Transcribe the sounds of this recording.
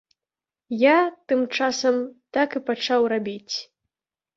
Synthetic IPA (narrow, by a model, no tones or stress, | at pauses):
jat̪ɨmt͡ʂasɐmt̪akɨpat͡ʂawrabʲit͡sʲ